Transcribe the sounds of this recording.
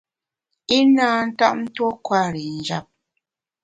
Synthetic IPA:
i˦naː˦n̩˦ta̰˦˨ʔn̩˦two˦kwa˦˨ɾi˨n̩˨d͡ʒa˦˨p̚

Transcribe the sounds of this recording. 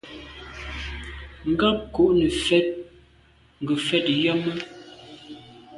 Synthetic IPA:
ŋ̩˦ɡa˦p̚ku˨ʔnə˨fɛ˦t̚ | ŋ̩˨ɡə˨fɛ˦tjɔ˦mə˦

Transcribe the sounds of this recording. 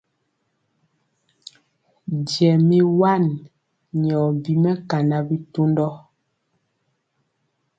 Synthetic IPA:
dɛ˨mi˨wa˦˨n | ɲɔ˨bi˨mɛ˦ka˨na˦bi˦to˦ndɔ˦

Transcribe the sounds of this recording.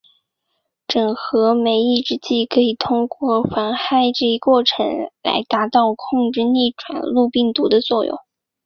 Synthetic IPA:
ʈ͡ʂɤ˨˩ŋxɤ˧˥me˧˥ɪi˥˩˧ʈ͡ʂɻ̩˥t͡ɕi˥˩kʰɤ˧˥i˨˩t̪ʰʊ˥ŋkwɔ˥˩xwa˧˥nxa˥˧ɪʈ͡ʂɤ˥˩i˧˥kwɔ˥˩ʈ͡ʂʰɤ̰˧˥ŋla̰˧˥ɪt̪a˧˥t̪ɑ˥˧ʊkʰʊ˥˧ŋʈ͡ʂɻ̩˥˧ni˥˩ʈ͡ʂwa̰˨˩nlu˥˧pi˥˩ŋt̪u˧˥d̪ə˧t͡swɔ˥˩jʊ̰˥˩ŋ

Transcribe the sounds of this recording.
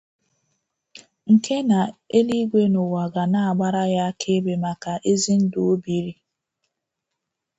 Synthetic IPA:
ŋ̩˨kʰe˦na˨e˦li˦ɡʷe˦nʊ˨wa˨ɡa˨na˦a˨ɡ͡ba˦ɾa˦ja˦kʰe˦be˨ma˨ka˨ʔe˦zi˦n̩˦do˨o˦bi˨ɾi˦

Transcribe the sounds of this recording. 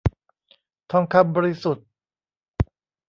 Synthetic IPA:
t̪ʰɔ˧˩ŋkʰa˧˥p̚bɔː˧˥ɾi˦˧su˨˩t̪̚

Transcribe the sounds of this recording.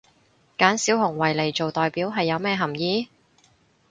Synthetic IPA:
kaː˨˥nsiː˨˥whʊ˨˩ŋwɐ˨˩jle˨˩jt͡ʃo˨wt̪ɔː˨jpiː˨˥wɦɐ˨jːɐ˨˧wmɛː˥˧ɦɐ˨˩mjiː˨˧

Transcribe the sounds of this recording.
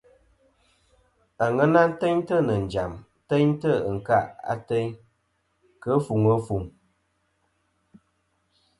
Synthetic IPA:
a˨ŋə˦na˦n̩˦tɛ˦ɲtə˦˨nə˨n̩˨d͡ʒa˨m˦tɛ˦ɲ˦tə˦˨ŋ̩˨ka˦˨ʔa̰˦tɛ˦ɲ | kə˦fu˨ŋə˦fu˨ŋ

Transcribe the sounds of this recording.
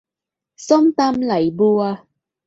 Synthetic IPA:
sɔ˦mt̪a˧mla˨˩jbu˧a˧

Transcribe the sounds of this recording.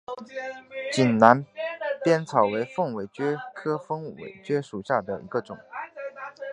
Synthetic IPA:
t͡ɕi˨˩nna˧˥npjɛ˥nt͡sʰɑ˨˩ʊwe˧˥ɪfɤ˥˩ŋwe˨˩ɪt͡ɕɥɛ˥kʰɤ˥fɤ˥ŋwḛ˨˩ɪt͡ɕɥɛ˥ʂu˨˩ɕja˥˩d̪ə˩ʔi˧˥ɡə˧ʈ͡ʂʊ˨˩˦ŋ

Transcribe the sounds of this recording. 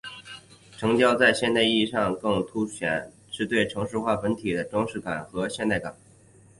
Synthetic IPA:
ʈ͡ʂʰɤ˧˥ŋt͡ɕjɑ˥ʊt͡sa˥˧ɪɕjɛ˥˧nt̪a˥˧ɪi˥˧ʂɑ˥˧ŋkɤ˥˧˩ŋt̪ʰu˥ɕɥɛ˨˩˦n | ʂɻ̩˥˧t̪we˥˩ɪʈ͡ʂʰɤ˧˥ŋʂɻ̩˥˧xwa˥˩fə˧˥nt̪ʰi˨˩d̪ə˦ʈ͡ʂɑ˥ŋʂɻ̩˥˩ka˨˩nxɤ˧˥ɕjɛ˥˧nt̪a˥˩ɪka̰˨˩˦n

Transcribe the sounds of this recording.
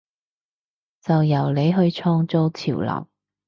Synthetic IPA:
t͡sɐ˨wjɐ˨˩wle˨˧jɦɵ˧ɥt͡ʃʰɔː˧ŋt͡so˧wt͡sʰiː˨˩wlɐ̰˨˩w

